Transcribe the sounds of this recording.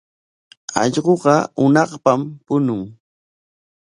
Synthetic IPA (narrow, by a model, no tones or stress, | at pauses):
ɑ̰ʎɢoɢɑʊnɑχpampʊnʊŋ